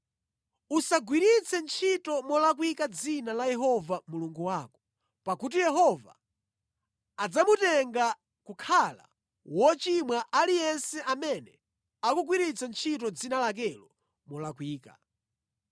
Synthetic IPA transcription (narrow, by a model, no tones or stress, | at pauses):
usaɡwiɾit͡sʰɛnt͡ʃʰitɔmɔlakwikad͡zinalajɛɦɔvamuluŋɡuwaːkɔ̥ | pakut̬ijɛɦɔva̰ | d͡zamutɛŋɡa | kukʰala̰ | wɔt͡ʃimwaʔalijɛnsɛʔamɛnɛ | akuɡwiɾit͡sʰɛnt͡ʃʰit̬ɔd͡zinalak̬ɛlɔ | mɔlakwiːka̰